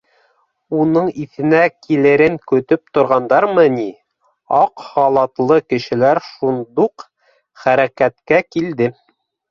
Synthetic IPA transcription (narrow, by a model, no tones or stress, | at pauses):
unɤɴiθɘ̆nækʰilɘ̆ɾɘŋkɵ̆t̪ɵp̚t̪ŏɾʁɑnd̪ɑɾmɤni | ɑqhɑlˠɑt̪lˠɤkɘ̆ʃɘ̆læɾʃund̪uq | χæɾækæt̪kækild̪ɘ